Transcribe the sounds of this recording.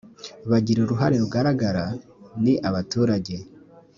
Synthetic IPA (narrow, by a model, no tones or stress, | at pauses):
βaɟiɾoɾuɦaɾe̞ɾuɡaɾaɡaɾaniʔaβatuːɾaɟe̞